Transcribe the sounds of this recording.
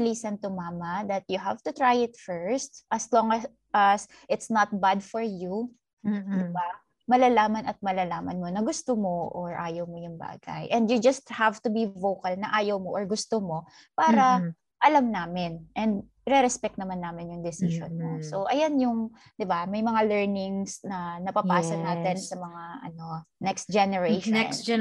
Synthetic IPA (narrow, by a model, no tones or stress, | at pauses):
lisɐnt̪ʊmaːmɐðɐt̪̚jʊɦavt̪ʊt̪ɹajɪt̪fɛɹst̪̚ʔɐslɔŋɐ | ʔɐs | ʔɪt̪snɐt̪̚bad̪̚fɔɹju | d̪ɪba | mɐlalaːmɐnɐt̪̚mɐlalaːmɐnmonɐɡʊst̪omoʔoɹʔa̰ːjɐwmojʊŋba̰ːɡɐ̰jʔɛ̃nd̪jʊd͡ʒɐst̪̚havt̪ʊbivowkɐlnɐʔaːjɐwmoʔɔɹɡʊst̪omo̞ | paːɾɐ | ʔɐlamnaːmɪnʔɛnd̪̚ | ɾɛɾɛspɛk̚t̪nɐmanːaːmɪnjʊŋd̪ɛsɪʃo̰nmosso̞ʔɐjanjʊŋ | d̪ɪbamɐjmɐŋalɛɹnɪŋsnɐnɐpɐpaːsɐnaːt̪ɛnsɐmɐŋaʔɐ̰no̞nɛkst̪̚d͡ʒɛnɛɹeʃn